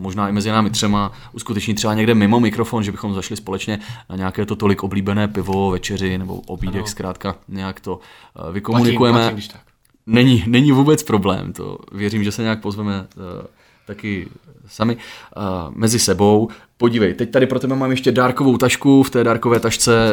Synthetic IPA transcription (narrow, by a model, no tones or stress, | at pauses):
mo̞ʒnaːɪmɛzɪnaːmɪt̪r̝̥ɛma | ʔuskut̪ɛt͡ʃɲit̪r̝ɛbaɲɛɡdɛmɪmo̞mɪkɾofonʒɛbɪxo̞mzaʃlɪspo̞lɛt͡ʃɲɛnaɲɛakɛːt̪o̞t̪o̞lɪkʔo̞bliːbɛnɛːpɪvo̞vɛt͡ʃɛrɪnɛbo̰ʔobiːdɛkskɾaːt̪kaɲɛjakt̪o̞ | vɪkomunɪkujɛmɛ | nɛɲinɛɲivuːbɛt͡spɾo̞blɛ̰ːmt̪o̰vjɛɾiːmʒɛsɛɲɛjak̚po̞zvɛmɛ | t̪akɪ | samɪ | mɛzɪsɛbo̞w | po̞ɟivɛjt̪ɛc̚t̪adɪpɾot̪ɛbɛmaːmjɛʃcɛdaːɾkovo̞wt̪aʃkuft̪ɛːdaːɾkovɛːt̪aʃt͡sɛ